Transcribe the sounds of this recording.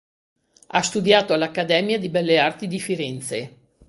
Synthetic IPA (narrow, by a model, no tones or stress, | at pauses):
a̰st̪ud̪jaːt̪oalakːad̪ɛːmjad̪ibɛlːeart̪id̪ifiɾɛnt̪se